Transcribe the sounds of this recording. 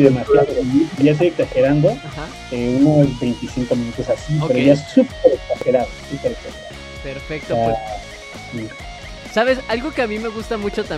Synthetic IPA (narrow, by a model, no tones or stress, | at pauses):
ðemasjaðoðeiʝas̬eeksaxeɾand̪o̞axa | eunozβe̞jnt̪isiŋko̞mĩnut̪o̞sasipeɾoʝaessup̚eɾeksaxeɾaðosupeɾeksaxeɾa̰ðo | peɾfek̚t̪oa | si | saβesalɣokeamime̞ɣust̪amut͡ʃot̪a